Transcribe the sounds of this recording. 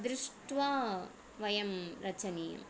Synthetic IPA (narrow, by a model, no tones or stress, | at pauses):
d̪ɾɪʂʈʋaː | ʋɐjɐmɾɐt͡ʃɐniːjɐ̰m